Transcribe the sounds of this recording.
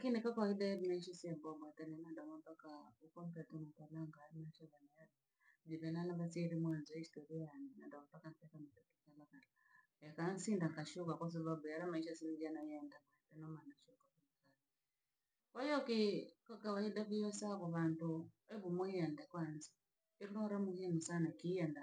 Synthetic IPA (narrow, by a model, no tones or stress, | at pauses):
lakinikakawaidaβimaiʃisiɛbɔbwatanɛnandamɔmpakaukɔm̩pɛtumatalaŋɡaɾinaʃɔβanija | d͡ʒiβɛlalaβasiɾimwanzɔistɔɾijanina̰ndaapakantɛkamatakikalaka | jakansindaŋɡaʃuβakas̬aβabujaɾamaiʃasinid͡ʒanajɛndaŋadɛnɔmanaʃukakunikali | kɔjɔkikakawaidaβijɔsaβɔβantuɛβumuɛndakwanzi | iɾunɔɾamuhinusanakijɛnda